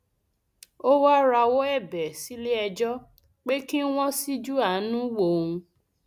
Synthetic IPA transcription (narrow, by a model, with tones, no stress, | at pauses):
o˦wa˦ɾa˧wo˦ɛ˦˨bɛ˨si˨˦le˦ɛ˧d͡ʒɔ˦ | k͡pe˦ki˦w̃ɔ̃˦si˦d͡ʒu˦a˦˨˦nũ˦wo˨ũ˧